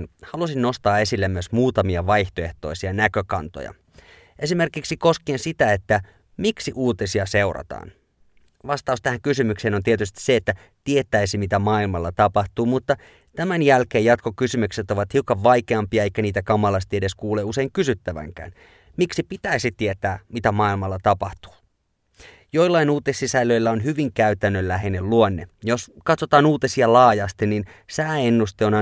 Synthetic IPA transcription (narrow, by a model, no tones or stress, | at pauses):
nhɑlusinno̞st̪ɑːe̞silːemːyøsmuːt̪ɑmiɑʋɑjht̪oe̞ht̪o̞̰isiɑnækøkɑnt̪o̰jɑ̰ | ʔe̞sime̞rkiksiko̞skeːnsit̪æet̪ːæ | miksiʔuːt̪esiɑse̞urɑ̰t̪ɑ̰ːn | ʋɑst̪ɑust̪æhæŋkysymykseːnont̪iet̪yst̪i̥seːt̪ːæ | t̪iet̪ːˑæisimit̪æmɑːilmɑlːɑt̪ɑpɑht̪uːmut̪ːɑ | t̪æmænjælkeːjɑt̪kokysymykset̪o̞ʋɑt̪hiukɑʋʋɑikeɑmpiɑeikːæniːt̪ækɑmːɑlɑst̪iede̞skuːleuse̞iŋkysyt̪ːæʋæ̰ŋkæ̰ːn | miksipit̪æisit̪iet̪æːmit̪æmɑilmɑlːɑt̪ɑpɑht̪u̥ː | jo̞jlːɑinuːt̪ːesːisælːø̞ilːæonhyʋiŋkæyt̪ænːøllæɦenelluonːḛjoskɑt̪sot̪ɑːnuːt̪esiɑlɑːjɑst̪ininsæːenːust̪eonɑ